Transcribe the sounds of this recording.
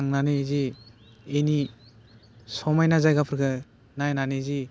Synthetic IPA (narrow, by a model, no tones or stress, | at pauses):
aŋnanɯzi | eni | sɔmajnazajɡapʰɯɾkʰɯ | najnanɯzi